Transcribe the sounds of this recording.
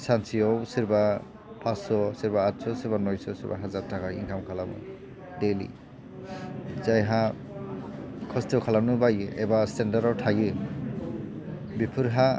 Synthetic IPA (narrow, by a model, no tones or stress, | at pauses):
sansiɔwsiɾba | pʰasɔsiɾbaːtsɔsiɾbanɔjsɔsiɾba̰ɦazaɾtʰakʰaḭŋkʰamkʰalamɯ̰ | delḭ | zajɦa | kʰɔstʰwkʰalanɯbajɯɛ̰bastendaɾawtʰajɯ | bipʰɯɾɦa